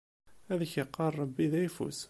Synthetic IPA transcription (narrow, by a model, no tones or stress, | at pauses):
æðəçəqːɑrˤːɑbːiðæjfṵs